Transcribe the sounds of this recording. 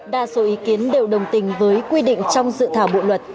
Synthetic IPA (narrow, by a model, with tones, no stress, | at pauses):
ɗa̰ː˧˨so˨˦ʔi˨˦ki˨˦ənɗe˨˩wɗə˨˩wŋ͡mt̪ï˨˩ŋ̟vəː˨˦jkwi˧ɗḭ̈˧˨ŋ̟t͡ɕɔ˧wŋ͡mzɨ̰˧˨t̪ʰaː˧˩wɓo̰˧˨lwə˨˩t̚